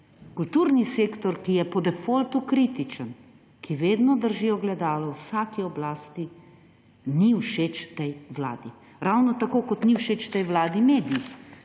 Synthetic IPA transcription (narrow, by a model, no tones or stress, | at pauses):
kult̪uːɾniseːkt̪ɔɾkijɛpɔd̪ɛfolt̪ukɾit̪it͡ʃən | kʰiʋeːd̪nɔd̪əɾʒiːɔɡlɛd̪aːlɔwsaːkiɔblaːst̪i | niwʃet͡ʃt̪ɛjʋla̰ːd̪i | ɾawnɔt̪akoːkɔt̪niwʃeːt͡ʃt̪ɛjʋlaːd̪imeːd̪ii